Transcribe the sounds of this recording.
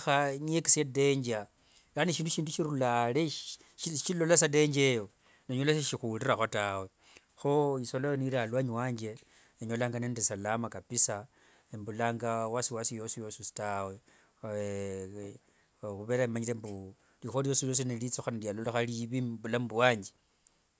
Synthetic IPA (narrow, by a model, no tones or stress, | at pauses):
xaɲekisede̞ɲd͡ʒa | laniʃiːnduʃiːnduʃiɾulale | ʃilo̞lasade̞ɲd͡ʒejo | neɲolaseʃixuliraxotawe̞ | xoisolajoniɾalwaɲwaːɲd͡ʒe̞ | eɲolaːŋɡanendesalamakapisa | embulaːŋɡawasiwasijo̞sijo̞ːsusi̥tawe̞ | xuβe̞ɾaimaɲilembu | lixolijo̞ːsiljo̞s̬inelit͡soxanaljalolaxaliβibulambuwaːɲd͡ʒe̥